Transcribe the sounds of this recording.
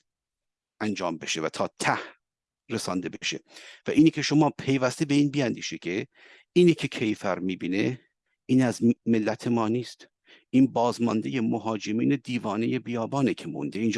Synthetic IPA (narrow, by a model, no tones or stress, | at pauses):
ʔænd͡ʒɒːmbe̞ʃe̞væt̪ʰɒːt̪ʰæh | ɾe̞sɒnd̪e̞beʃe̞̰væʔiːniːcʰe̞ʃo̞mɒːpʰe̞jvæst̪ebe̞iːnbiːænd̪iːʃecʰe | iːnicʰe̞cʰe̞jfæɾmiːbiːne̞ | iːnæzmelːæt̪ʰe̞mɒːniːst̪ | ʔiːnbɒːzmɒnd̪ejemoɦɒːd͡ʒe̞miːne̞d̪iːvɒːne̞je̞bijɒːbɒːnecʰe̞mo̰nd̪eiːnd͡ʒ